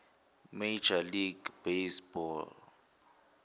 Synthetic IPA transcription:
mejd͡ʒaliɡb̥esbɔl

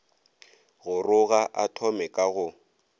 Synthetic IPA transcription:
ɣʊrʊɣaʔatʰɔmɛkʼaɣʊ

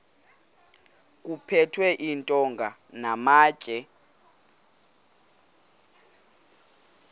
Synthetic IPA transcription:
k̬ʼupʰɛtʰwɛʔintʼɔŋɡʱanamḁːt͡ʃʒ̥ʼʱɛ

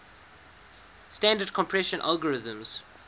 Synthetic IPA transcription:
stãndəd̚kʰɔ̃mpʰɹɛʃə̃nʔa̰lˠɡəɹɪðə̃mz̥

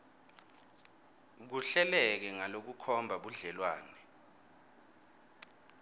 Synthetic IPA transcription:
k̬uɬɛlɛk̬ɛŋalok̬ukʰɔmbʱaɓuɮɛlwaːnɛ

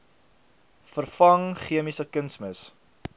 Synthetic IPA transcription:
fərfɐŋχiəmisəkənsməs

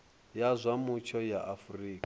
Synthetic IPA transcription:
jazʷamut͡ʃʰɔjaʔafuriːk

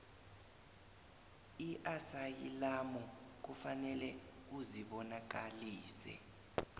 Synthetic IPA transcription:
iʔasajilamɔk̬ufanɛlɛuziɓɔnak̬aliːsɛ̰

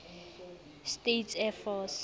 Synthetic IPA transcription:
stetʰɛfɔs

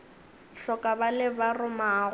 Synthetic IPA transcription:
ɬɔkʼabalɪbarʊmaːɣ

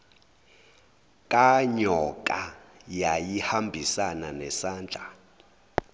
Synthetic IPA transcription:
kʼaɲɔkʼajajihambʱisananɛsaːnd͡ɮʱa

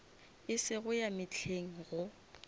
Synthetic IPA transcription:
ɪsɪɣʊjamɪt͡ɬʰeŋ̩ɣʊ

